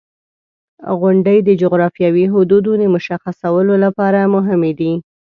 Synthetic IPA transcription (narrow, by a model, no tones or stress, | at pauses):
ɣʊɳɖəjd̪əd͡ʒʊɣɾɑfjɑwiɦʊd̪ud̪od̪əmʊʃaxasawəlolapɑɾamʊɦɪmed̪i